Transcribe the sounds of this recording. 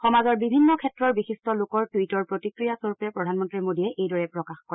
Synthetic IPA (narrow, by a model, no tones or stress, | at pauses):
xɔmazɔɹbibʱinːɔkʰɛtɹɔɹbixistɔlokɔɹtwitɔɹpɹotikɹijasoɹupɛpɹɔdʱanmɔntɹimodiɛʔejdɔɹɛpɹɔkaxkkɔ